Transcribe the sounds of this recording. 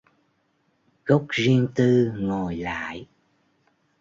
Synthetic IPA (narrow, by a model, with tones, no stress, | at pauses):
ɣə˦˥wk͡p̚zi˧əŋt̪ɨ˧ŋo˨˩jla̰ː˧˨j